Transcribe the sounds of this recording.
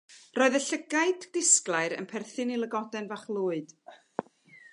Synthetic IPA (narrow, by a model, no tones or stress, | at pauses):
roːɨðəɬəɡaɨdːɪsklˠajɾə̰npʰɛrθɨnilˠəɡɔdɛnvaχlˠuːɨd̥